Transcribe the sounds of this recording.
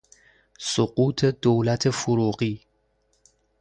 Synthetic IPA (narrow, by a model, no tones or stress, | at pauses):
soɢuːt̪ʰed̪owlæt̪ʰefoɾuːɢiː